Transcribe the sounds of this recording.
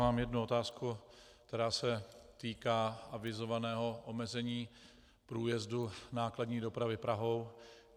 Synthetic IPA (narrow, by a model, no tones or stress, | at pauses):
aːmjɛdnuo̞t̪aːskuk̚t̪ɛɾaːsɛt̪iːkaːʔavɪzo̞vanɛːɦo̞ʔomɛzɛɲiː | pɾuːjɛzdunaːkladɲiːdo̞pɾavɪpɾaɦo̞w